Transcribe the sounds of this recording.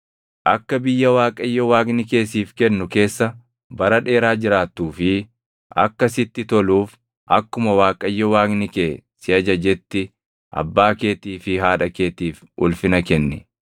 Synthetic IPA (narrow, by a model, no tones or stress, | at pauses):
ʔɐkːɐbɪjːɐwaːkʼɐjːɔwaːɡnɪke̞ːsiːfkɛnːʊke̞ːsːɐ | bɐɾɐᶑe̞ːɾaːd͡ʒɪɾaːt̪ːuːfɪ | ɐ̰kːɐsɪt̪ːɪt̪ɔluːf | ʔɐ̰kːʊmɐwaːkʼɐjːɔwaːɡnɪkeːsɪɐd͡ʒɐd͡ʒɛt̪ːɪ | ʔɐ̰bːaːke̞ːt̪iːfɪɦaːᶑɐkeːt̪iːf | ʊlfɪnɐkɛnːɪ